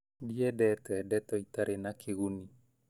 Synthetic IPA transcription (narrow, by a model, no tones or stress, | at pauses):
biɛdɛt̪ɔɛdɛt̪ɔit̪aɾʔenakʰeɣuni